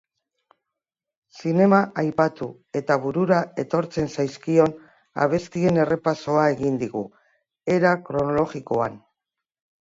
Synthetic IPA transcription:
sine̞maʔajpat̪u | e̞t̪aβuɾuɾae̞t̪o̞ɾt͡se̞nsajskio̞n | a̰β̞e̞st̪ie̞ne̞re̞paso̞ae̞ɣind̪iɣu | e̞ɾakɾo̞no̞lo̞ɣiko̞an

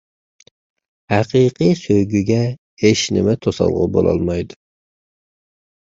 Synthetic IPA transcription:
hæqʰiqʰijsøjɡʲyɡʲɛ | eʃnɪmɛt̪ʰosɑ̰lˠʁʊbolˠɑ̰lˠmɑjd̪u

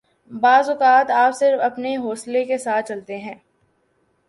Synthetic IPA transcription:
baːzʊkaːt̪aːpsɪɾfɐpneɦoːslekesaːt̪̚ʰt͡ʃɐlt̪eɦɛ̃ː

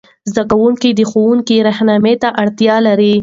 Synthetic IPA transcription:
zd̪akawuŋkid̪əxowuŋkiɾahnɑmet̪aʔaɽt̪jɑlaɾi

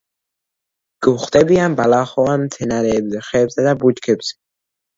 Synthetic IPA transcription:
ɡ̥uχt̪ʼɛbianbalaχɔamt̪ʰɛnaɾɛbzɛχɛbzɛd̪abut͡ʃkʰɛbz̥ɛ̥

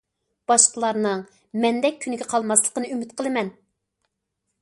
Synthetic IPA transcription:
b̥ɑʃqəlˠɑɾnɨŋ | mɛnd̪ɛk̚ʲʰːynɪɡʲɛqʰɑlˠmɑslˠə̥qənɨymyt̪̚qʰəlˠɨmɛn

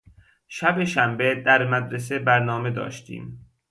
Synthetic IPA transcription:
ʃæbeʃæmbed̪æɾmæd̪ɾes̬ebæɾnɒːme̞d̪ɒ̰ːʃt̪ʰḭːm

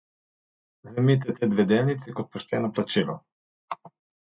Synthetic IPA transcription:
zɐmit̪̬ɛt̪ɛd̪vɛd̪ɛlnit̪sikot̪̚poʃt̪ɛnoplˠat͡ʃino̰

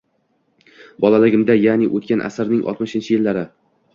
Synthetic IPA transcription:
bɒlalɪɡʲɪmd̪ajanɪʔot̪kʲanʔa̰sɪɾnɪŋʔɒ̰t̪mɪʃɪnt͡ʃʰɪjɪlːaɾɪ

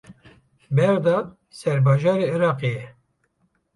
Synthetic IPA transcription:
bɛɾd̪ɑː | sɛɾbɑːʒɑːɾeːɪɾɑːqeːjɛ

